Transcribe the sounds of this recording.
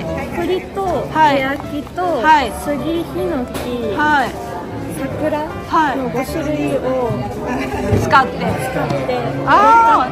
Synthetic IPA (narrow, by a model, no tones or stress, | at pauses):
kɯɾʲit̪ohajakʲit̪ohaisɨɡʲiçinokʲihai | sakɯ̟ɾa | hainoɡosɨɾɯ̟io | t͡sɨ̥kat̪ːet͡sɨ̥kat̪ːea